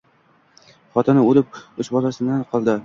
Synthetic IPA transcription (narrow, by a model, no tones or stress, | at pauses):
χɒt̪ʰanɪolɪp̚ʊʃbɒlasɪnanqʰɒlˠd̪ɪ